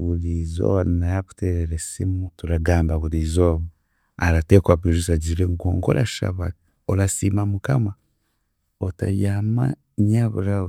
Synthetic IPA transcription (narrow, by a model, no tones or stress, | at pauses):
βuɾizo̰anajaβu̥teɾeɾesimutuɾaɡaːmbaβuɾizoːβo | aɾatekwaβiʒusaɟiɾeŋɡoːŋɡo̰ɾaʃa̰βa̰ | olasiːmamukama | ota̰jaːma | ɲaβṵɾa